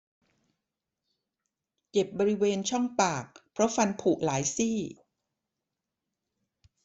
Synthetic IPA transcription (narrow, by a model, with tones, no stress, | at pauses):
ke˨˩p̚bɔː˧ɾi˦˥weː˧nt͡ɕʰɔ˥˩ŋpaː˨˩k̚pʰɾɔ˦˥fa˧npʰu˨˩ʔlaː˩˦jsiː˥˩